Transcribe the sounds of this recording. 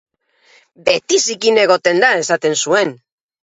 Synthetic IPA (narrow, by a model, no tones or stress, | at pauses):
be̞t̪isikine̞ɣ̞o̞t̪e̞nd̪ae̞sat̪e̞nsue̞n